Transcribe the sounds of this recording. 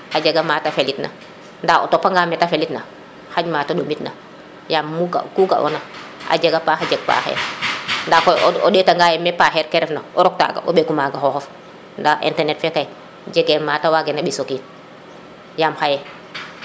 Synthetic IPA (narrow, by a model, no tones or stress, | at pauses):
had͡ʒeɡamaːtafelitnʔa̰ | ndao̰topːaŋɡamɛtafelitna | haɲmataɗomitna̰ | jamːuɡa̰kuɡa̰ʔo̰naʔa̰d͡ʒeɡapahad͡ʒeɡ̚pa̰ːhḛːɾndakooɗetaŋɡajɛmepahɛɾkeɾɛfnaoɾɔk̚ta̰ɡa̰ʔo̰ɓekumaɡaxɔhof | ndaʔḭntɛnetfekaj | ɟeɡematawaɡenaɓisokiːn | jamhajɛ